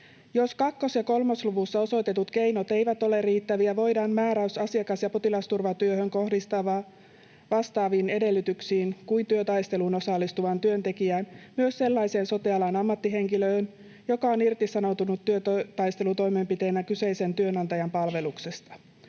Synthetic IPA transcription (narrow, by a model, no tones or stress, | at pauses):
jo̞skɑkːo̞sjɑko̞lmosluʋusːɑo̞so̞jt̪et̪ut̪ke̞jno̞t̪e̞jʋæt̪o̞le̞riːt̪ːæʋiæʋo̞jdɑːmmæːɾæysɑsiɑkɑsjɑpot̪ilɑst̪urʋɑt̪yøhøŋko̞hdist̪ɑʋɑː | ʋɑst̪ɑːʋiːne̞de̞lːyt̪yksiːnkuint̪yøt̪ɑjst̪e̞luno̞sɑlːist̪uʋɑnt̪yønt̪e̞kiæːnmyøsse̞lːɑjse̞ːnso̞t̪iɑlɑːnɑmːɑt̪ːiɦe̞ŋkiløːn | jo̞kɑonirt̪isɑno̞wt̪unut̪ːyøt̪t̪ɑjst̪elut̪o̞jme̞mpit̪e̞ːnækyse̞jse̞nt̪yønɑnt̪ɑjɑmpɑlʋe̞luksest̪ɑ̥